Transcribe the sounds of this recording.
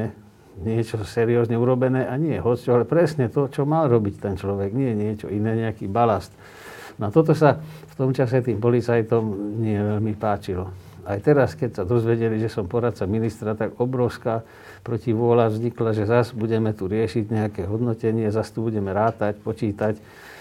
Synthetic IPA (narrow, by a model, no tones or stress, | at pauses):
ɛ | ɲɪɛt͡ʃɔsɛɾiɔːzɲɛuɾɔbɛnɛːʔaɲɪɛɦɔt͡st͡ʃɔalɛpɾɛsɲɛt̪ɔt͡ʃɔmalɾɔbict̪ɛnt͡ʃlɔʋɛɡɲɪɛjɛɲɪɛt͡ʃɔ̰inɛːɲɛakiːbalast̪ | nɔat̪ɔt̪ɔsaft̪ɔmt͡ʃasɛt̪iːmpɔlit͡sajt̪ɔmɲɪɛʋɛʎmipaːt͡ʃilɔ | ajt̪ɛɾaskɛcsad̪ɔzʋɛɟɛliʒɛsɔmpɔɾat̪̚t͡saminist̪ɾat̪aɡɔbɾɔʊskaː | pɾɔciʋʊɔlavzɲiklaʒɛzasbuɟɛmɛt̪uɾɪɛʃiɟɲɛakɛːɦɔd̪nɔcɛɲɪɛzast̪ubuɟɛmɛɾaːt̪acpɔt͡ʃiːt̪ac